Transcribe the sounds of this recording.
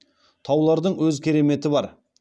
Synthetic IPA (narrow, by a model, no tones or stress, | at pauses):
t̪ʰɑwlˠɑɾd̪əɴwɵzkʲʰe̞ɾe̞me̞t̪ɪbɑɾ